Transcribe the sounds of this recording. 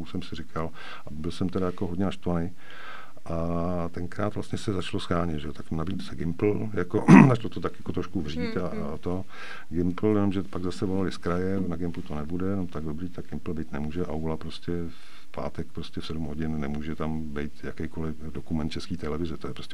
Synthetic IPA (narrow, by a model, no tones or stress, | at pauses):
usɛmsɪrɪkʰal | ʔabɪlsɛmt̪ɛɾajakoɦdɲɛnaʃt̪ovanɛj | ʔa | t̪ɛŋkɾaːt̪vlastɲɛsɛzat͡ʃlosxaːɲɛt̪ʒɛot̪aknabisɛɡɪmpl̩ | jakozat͡ʃlot̪ot̪akjakot̪ɾoʃkuvriːt̪a | t̪o | ɡɪmpl̩jɛno̞mʒɛpaɡzasɛvo̞lalɪskɾajɛnaɡɪmplut̪onɛbudɛjɛnomt̪aɡdobɾiːt̪aɡ̚ɡɪmpl̩bejt̪nɛmuːʒɛʔawlapɾo̞scɛ | f | pa̰ːt̪ɛk̚pɾoscɛfsɛdumɦo̞ɟɪnnɛmuːʒɛt̪am | bɛjt̪jakɛjko̞lɪ | dokumɛnt̪̚t͡ʃɛskiːt̪ɛlɛvɪzɛt̪ojɛpɾoscɛ